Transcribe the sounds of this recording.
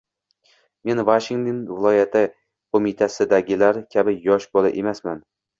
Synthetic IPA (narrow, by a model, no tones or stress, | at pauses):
me̞nvaʃɪŋt̪onvɪlˠɒjat̪ʰɪ | kʰomɪt̪ʰasɪd̪aɡʲɪlaɾkʲʰabɪjɒʃbolˠɪ̰ʔemasman